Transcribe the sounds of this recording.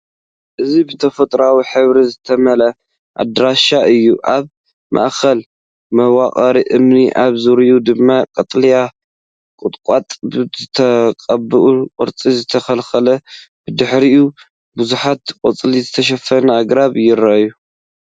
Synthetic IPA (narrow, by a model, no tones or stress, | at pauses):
ʔɨzibɨt̪ʰɐfɐt̪ʼɾawiħɨβɾizɨt̪ʰɐmɐlɐ | ʔa̰d̪ɾaʃaɨjːuʔaβ | mʔa̰ʔkʰɐl | mɐwakʼɐɾiʔɨmniʔaβzuɾijud̪ɨmːakʼɐt̪ʼlija | kʼɨt̪ʼkʼat̪ʼbzɨt̪ʰɐkʼɐbɨʔukʼɨ̰ɾt͡sʼizɨt̪ʰɐxɐlxɐlɐb̥ɨd̪ɨħɾiu | buzuħat̪kʼɐt͡sʼlizɨt̪ʰɐʃ̬ɐfɐnɐaɡɾaβjɪɾɐju